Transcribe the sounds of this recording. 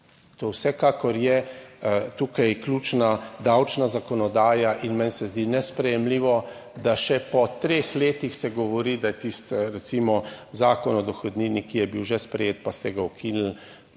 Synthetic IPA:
t̪owsɛkaːkɔɾjɛ | t̪uːkajklʲuːt͡ʃnad̪awt͡ʃnazakɔnɔd̪aːjaʔinmɛnsɛzd̪iːnɛspɾɛjɛmliːʋɔ | d̪aʃɛpɔt̪ɾexleːt̪ixsɛɡɔʋɔɾiːd̪ajɛt̪ist̪ɾɛtsimɔzaːkɔnɔd̪ɔxɔd̪niːnikijɛbiwʒɛspɾɛjeːt̪̚past̪ɛɡaɔkʰinl̩

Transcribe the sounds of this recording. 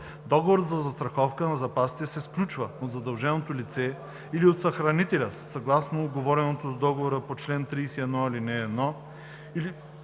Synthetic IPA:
d̪ɔɡovoɾət̪zɐzɐst̪ɾɐxɔfkənɐzɐpasi̥t̪ɛsɛsklʲut͡ʃvəot̪zɐd̪ɐlˠʒɛnot̪olit̪sɛ | iliot̪sɐxɾɐnit̪ɛlʲəsɐɡlˠasnoːd̪ɡovɔɾɛnot̪ozd̪ɔɡovoɾəpot͡ʃlɛnt̪ɾijsɛɛd̪nɔilinɛːd̪nɔ | ili

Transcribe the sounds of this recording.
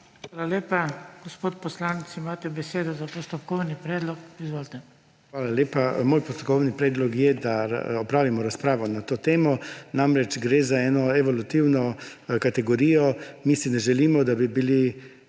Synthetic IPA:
xʋaːlaljeːpaɡ̥ɔspoːt̪pɔslanit̪simaːt̪ɛbɛseːd̪ɔzapɔst̪ɔpkɔwnipɾɛːd̪lɔkizʋoːlt̪ɛ | xʋaːlaljeːpamoːjpɔst̪ɔkɔwnipɾɛːd̪lɔkjɛd̪a̰ɔpɾaːʋimɔɾaspɾaːʋɔnat̪oːt̪eːmɔnamɾɛt͡ʃɡɾeːzaɛːnɔɛʋɔlut̪iwnɔkat̪ɛɡɔɾiːjɔmisinɛʒɛliːmɔd̪abibili

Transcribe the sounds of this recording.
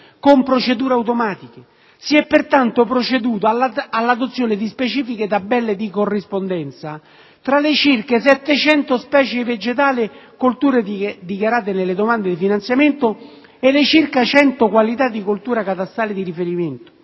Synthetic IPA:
kompɾot͡ʃed̪uːɾeawt̪̬omaːt̪ik̟e | siɛpːert̪ant̪opɾot͡ʃed̪uːt̪oaalːad̪ot̪sːjoːnɪd̪ispet͡ʃiːfiket̪abːɛlːed̪ikorːispond̪ɛnt̪sa | t̪ɾalet͡ʃirkes̬ɛt̪ːet͡ʃɛnt̪ospɛːt͡ʃeved͡ʒet̪aːlɪkolt̪uːɾed̪ikjaɾaːt̪̬enelːed̪omand̪ed̪ifinant̪sjament̪o | elɪt͡ʃirkat͡ʃɛnt̪okwalit̪ad̪ːikult̪uːɾakat̪ast̪aːlɪd̪iɾifeɾiment̪o̥

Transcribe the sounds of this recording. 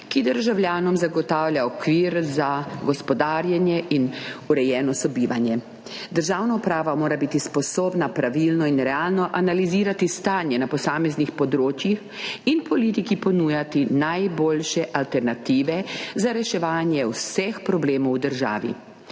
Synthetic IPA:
kid̪əɾʒawljaːnɔmzaɡɔt̪aːwlʲjʲaɔkʋiːɾzaɡɔspɔd̪aːɾjanjɛinuɾɛjɛːnɔsɔbiːʋanjɛ | d̪əɾʒaːwnaupɾaːʋamoːɾabit̪ispɔsoːbnapɾaʋilnɔinɾɛaːlnɔʔanaliziːɾat̪ist̪aːnjɛnapɔsaːmɛznixpɔd̪ɾoːt͡ʃjix | inpɔliːt̪ikipɔnuːjat̪inajboːlʃɛʔalt̪ɛɾnat̪iːʋɛzaɾɛʃɛʋaːnjɛwsɛxpɾɔbleːmɔwd̪əɾʒa̰ːʋḭ

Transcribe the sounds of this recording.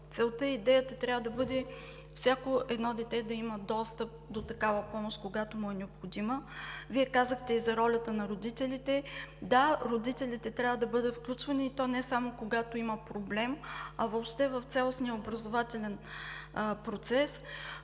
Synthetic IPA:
t̪sɛlˠt̪ɤid̪ɛjət̪ət̪ɾʲjavəd̪ɐbɤd̪ɛ | fsʲakoɛd̪nɔd̪ɛt̪ɛd̪ɐiməd̪ɔst̪əp̚d̪ot̪ɐkavɐpɔmoʃt̪koɡat̪omuɛnɛopxod̪iməviɛkazəxt̪ɛizɐɾɔlʲɐt̪ənɐɾod̪it̪ɛlit̪ɛd̪aɾod̪it̪ɛlʲit̪ɛt̪ɾʲavəd̪ɐbɤd̪ət̪fklʲut͡ʃvɐniːt̪ɔnɛsamokoɡat̪oiməpɾoblɛmɐvoːpʃt̪ɛvəft̪sʲalˠosnijəobɾɐzovat̪ɛlʲɛn | pɾot̪sɛs

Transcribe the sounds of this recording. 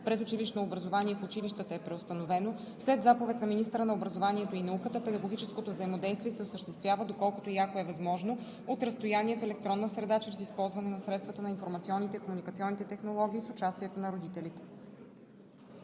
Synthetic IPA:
pɾɛt̪ʊt͡ʃiliʃnoːbɾɐzovaniɛfʊt͡ʃiliʃt̪ət̪əɛpɾɛost̪ɐnovɛno | slɛd̪zapovɛt̪nɐminist̪əɾənɐobɾɐzovaniɛt̪oinɐukət̪əpɛd̪ɐɡoɡ̟it͡ʃɛskot̪ovzɐimod̪ɛjst̪vʲiɛsɛosəʃt̪ɛst̪vʲjavəd̪okɔlˠkʊ̥t̪ojakoɛvɐzmɔʒno | ot̪ɾɐst̪ojaniɛfɛlɛk̚t̪ɾɔnːəsɾɛd̪at͡ʃɛɾɛsispɔlˠzvɐnɛnɐsɾɛt̪st̪vət̪ənɐinfoɾmɐt̪siɔnːit̪ɛikomunikət̪siɔnːit̪ɛt̪ɛxnolˠɔɡ̟ʲiːsʊt͡ʃast̪iɛt̪onɐɾod̪it̪ɛlit̪ɛ̥

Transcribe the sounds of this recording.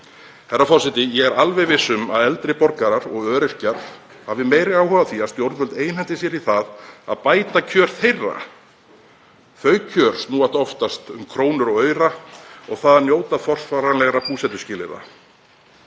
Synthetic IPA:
hɛrːafɔr̥sɛt̪ɪjɛɣɛɾalvɛvɪsːʏma̰ðɛlt̪ɾɪpɔɾkaɾaɾɔɣœːɾɪr̥caɾ̥ | havɪmeːjɾɪaːwhɔvaθiast̪jowɾt̪vœlt̪eːjnhɛnt̪ɪsjɛɾiθaða̰ðpaːjt̪acʰœːɾ̥θejrːa̰ | θœːɥcʰœːɾ̥snuːat̪ɔft̪ast̪ʏmkʰɾoːwnʏɾɔɣœːɥɾaɔɣθaðanjoːwt̪afɔr̥sfaɾanlɛɣɾapuːsɛt̪ʏ̥scɪːlɪ̰ɾa̰

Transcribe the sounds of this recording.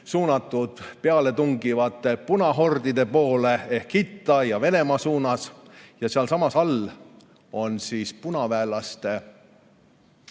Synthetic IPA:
suːnɑt̪ːˑud̪̥peɑle̞t̪uŋɡ̥ivɑt̪ːˑe̞punɑɦo̞rd̪id̪̥e̞po̞ːle̞e̞hkhit̪ˑːɑjɑve̞ne̞mɑsuːnɑsjɑseɑlsɑmɑsɑl | o̞nsiːspunɑvæːlɑst̪e̞

